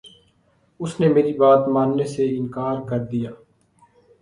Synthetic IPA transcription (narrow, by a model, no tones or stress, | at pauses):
ʊsnemeːɾibaːt̪maːnːeseɪnkaːɾkəɾd̪ijaː